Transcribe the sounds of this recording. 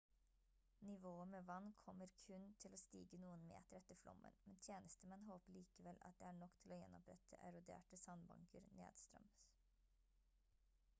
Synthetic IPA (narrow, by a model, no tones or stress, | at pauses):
nɪʋoːəmeːʋɑnːkʰɔmːəɾkʰʉnt̪ʰɪloːst̪ḭːɡənuːənmḛːt̪əɾɛt̪ːəɾflʔɔ̰mːə̰nmɛnt̪ʰjeːnəst̪əmɛnɦoːpəɭiːkəʋɛlɑ̰t̪̚d̪eːæːɳɔkːt̪ʰɪloːjɛnːɔpɾɛt̪ʰəʔæɾʊd̪ḛːʈəsɑnbɑ̰ŋkʰəɾnḛːd̪̥st̪ɾœ̰ms